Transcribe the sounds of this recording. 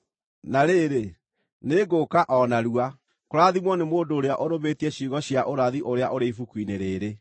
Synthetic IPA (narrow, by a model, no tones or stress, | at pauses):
naɾeɾe | neɡokaʔɔnaɾua | koɾaðimwɔnemoːndoːɾeaʔoɾoβeːtiɛɕiɣɔɕiaʔoɾaðiʔoɾeaʔoɾeifukwineɾeːɾe